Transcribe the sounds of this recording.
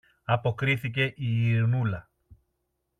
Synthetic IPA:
ɐpokɾiθice̞ʔiiɾnulɐ

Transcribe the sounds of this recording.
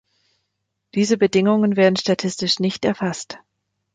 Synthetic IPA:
d̥iːzəbədɪŋʊŋənveːɐdn̩ʃtatʰɪstɪʃnɪçtɛɐfast

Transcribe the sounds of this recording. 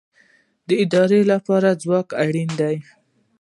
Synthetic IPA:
d̪əɪd̪ɑɾelapɑɾad͡zwɑkaɽind̪aj

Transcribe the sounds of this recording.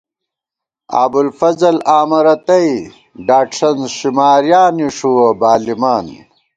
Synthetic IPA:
a̰ːbulfɐzɐlaːmɐɾɐt̪ɐi | ɖaːkʂɐnzʃimaːɾjaːniʂuwɐbaːlimaːn

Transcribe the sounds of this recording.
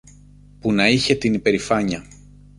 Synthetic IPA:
punɐiçe̞t̪inipe̞ɾifɐɲɐ

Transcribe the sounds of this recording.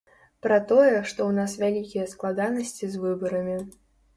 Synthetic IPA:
pɾɐt̪ɔjɛʂt̪ɔwnasvʲalʲikʲijɐsklˠad̪anɐsʲt͡sʲizvɨbɐɾɐmʲi

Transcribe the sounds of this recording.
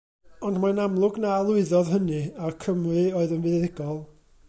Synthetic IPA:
ɔndmanamlˠʊɡnalˠʊɨðɔðɦənɨakʰəmrɨoːɨðənvɨððɪɡɔlˠ

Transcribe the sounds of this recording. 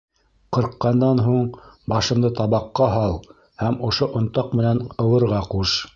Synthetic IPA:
qɤ̆ɾqːɑnd̪ɑnɦuɴbɑʃɤ̆md̪ɤt̪ɑβɑqːɑɦɑlˠ | hæmŏʃoʔŏnt̪ɑqmɘ̆nænɤ̆wɤ̆ɾʁɑquʃ

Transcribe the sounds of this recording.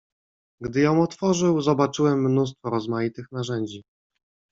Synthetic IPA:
ɡd̪ɘjɔ̃w̃ɔt̪fɔʐɘwzɔbat͡ʂɘwɛmːnus̬t̪fɔɾɔzmajit̪ɘxnaʐɛɲd͡ʑi

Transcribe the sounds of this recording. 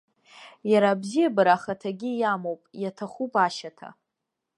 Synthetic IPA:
jaɾabzijabaɾaχatʰaɡʲijamowpʼjatʰaχʷupʼaʃatʰa̰

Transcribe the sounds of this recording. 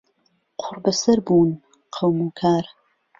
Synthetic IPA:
qʰʊɾbɐsɐɾbuːn | qʰəwmuːkʰaːɾ

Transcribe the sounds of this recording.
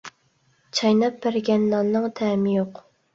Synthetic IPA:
t͡ʃʰɑjnɑp̚bæɾɡʲɛnːɑnːɨŋt̪ʰɛːmɪjoq

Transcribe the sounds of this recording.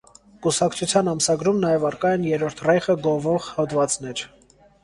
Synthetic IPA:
kusɑkʰt͡sʰut͡sʰjɑnɑmsɑɡɾumnɑjɛvɑɾkɑjɛnjɛɾɔɾt̪ʰrɛjχəɡɔvɔʁhɔt̪vɑt͡snɛɾ

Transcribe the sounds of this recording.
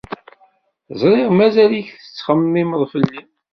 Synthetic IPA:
zˤɾˤiʁmæzæliçθə̥t͡sːχəmːiməðˤfəlːim

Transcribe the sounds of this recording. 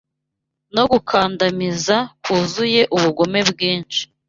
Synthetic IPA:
no̞ɡukʰaːndamizakuːzuje̞ʔuβuɡo̞me̞bɡiːnt͡ʃi̥

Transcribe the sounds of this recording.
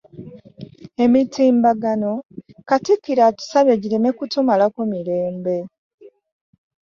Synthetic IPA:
e̞mitʰiːmbaɡano̞katikːiɾatu̥saβeɟiɾeme̞kutumalakomiɾe̞ːmbe̞

